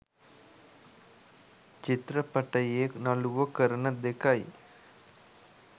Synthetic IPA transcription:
t͡ʃit̪ɾɐpɐʈɐjeːnɐluʋɐkəɾɐnɐd̪ekaj

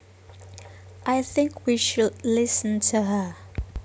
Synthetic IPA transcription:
ʔajθɪ̃ŋkʰwiʃʊlɪsə̃ntʰuɦə

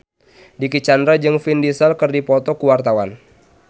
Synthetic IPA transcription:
dikit͡ʃandɾad͡ʒɨŋfindisəlkərdipɔt̪ɔkuwart̪awan

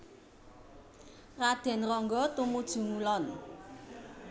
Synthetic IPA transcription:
rad̪̥ɛ̤nrɔŋɡɔt̪umud̥ʒ̥ṳŋulɔn

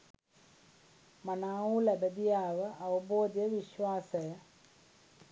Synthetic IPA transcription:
mɐnaːulebɐd̪ijaːʋɨʔɐʋɐboːd̪jɐʋiɕwaːsɐjɐ

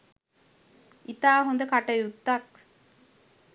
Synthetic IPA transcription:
ʔit̪aːɦond̪əkaʈəjut̪ːɐk̚

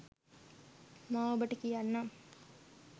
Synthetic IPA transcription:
mãːobəʈːəkijanːa

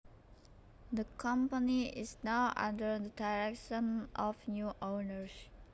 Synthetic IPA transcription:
d̪əkʰʌ̃mpəniɪ̰znaʊʔã̰ndə˞d̪ədaɪɹɛkʃə̃nɔvnjuːʔoʊnəɹs

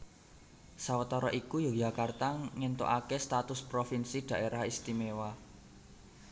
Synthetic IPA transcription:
sawət̪ɔɾɔʔikujojakart̪aŋɛnt̪o̰ʔakest̪at̪ʊspɾofinsid̪̥ä̤ʔeɾahist̪imewa

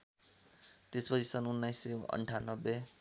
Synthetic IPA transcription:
t̪espʌt͡sʰisʌnunːajsːeʌ̰ɳʈʰanʌbːe

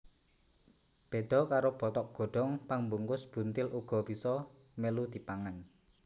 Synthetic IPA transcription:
b̥e̤d̪̥ɔ̤kaɾob̥ɔt̪ɔk̚ɡ̥ɔ̤ɖ̥ɔ̤ŋpaŋmbuŋkʊsb̥ṳnt̪ɪlʔuɡ̥ɔ̤bisɔ | mɛlud̪̥i̤paŋan

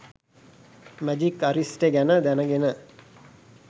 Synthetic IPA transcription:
mæd͡ʒikːaɾisʈeɡænəd̪ænəɡenə

